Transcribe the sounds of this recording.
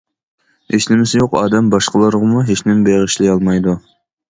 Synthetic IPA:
eʃnɪmɪsɪjoqɑ̰ːd̪ɛmbɑʃqəlˠɨɾʁəmuɦet͡ʃnɪmbeʁəʃlɪjɑlˠmɑjd̪u

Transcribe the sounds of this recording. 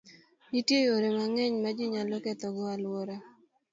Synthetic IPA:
itjejoɾemaŋɛɲmad͡ʒɪɲalɔkɛt̪ɔɡɔalwɔɾa

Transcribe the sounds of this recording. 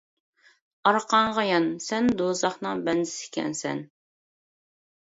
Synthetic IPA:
ɑɾqɑɴʁɑjɑnsɛnd̪ozɑχnɨŋbɛnd̪ɪsɪ̥kʲɛ̰nsɛ̰n

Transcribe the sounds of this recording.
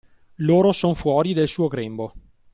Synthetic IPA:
loːɾosonfwɔːɾid̪elsuːoɡɾɛmbo

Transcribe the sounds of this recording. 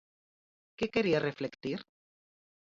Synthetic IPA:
kekeɾiareflekt̪iɾ

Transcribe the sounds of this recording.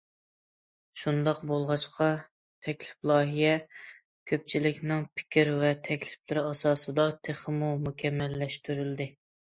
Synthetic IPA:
ʃund̪ɑqbolˠʁɑt͡ʃqʰɑ | t̪ʰɛkʲlɪ̥plˠɑːɦijɛ | kʲʰøp̚t͡ʃʰilɪkʲnɪŋpʰɪ̥kʲɪɾvɛt̪ʰɛkʲlɪplɪɾɪɑsɑːsɨd̪ɑt̪ʰeχəmumukʲʰɛmːɛlːɛʃt̪yɾyld̪ɪ

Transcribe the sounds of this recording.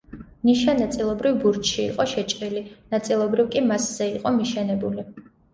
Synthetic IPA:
mniʃanat̪sʼilˠɔbɾivbuɾt͡ʃʃḭːqʼɔʃɛt͡ʃʼɾilinat̪sʼilˠɔbɾivkʼimasz̥ɛiqʼɔmiʃɛnɛbuli

